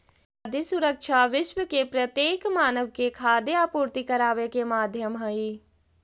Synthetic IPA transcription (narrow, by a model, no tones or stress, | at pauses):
d̪isʊɾəkʃaʋɪʃwəkepɾɐt̪jeːkmaːnəʋkekʰaːd̪eapuːɾt̪ikɐɾaːʋekemaːd̪ʱjəmɦɐi